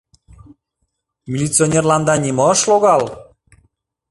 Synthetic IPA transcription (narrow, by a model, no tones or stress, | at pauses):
mʲilʲit͡sionʲerlɑnd̪ɑnʲiməʃloɣɑl